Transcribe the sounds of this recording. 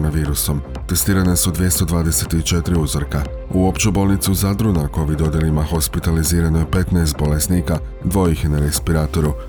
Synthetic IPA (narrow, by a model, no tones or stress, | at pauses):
naʋiːɾuso̞m | t̪e̞st̪iːɾanesud̪ʋje̞st̪o̞d̪ʋaːd̪e̞se̞t̪it͡ʃe̞t̪ɾiuzr̩ka | uo̞pt͡ɕebo̞lˠnit̪suzad̪ɾunako̞ʋid̪o̞d̪je̞limaxo̞spit̪aliziːɾanojpe̞t̪naːst̪̚bo̞lesnika | d̪ʋo̞jiçenaɾespiɾaːt̪o̞ɾu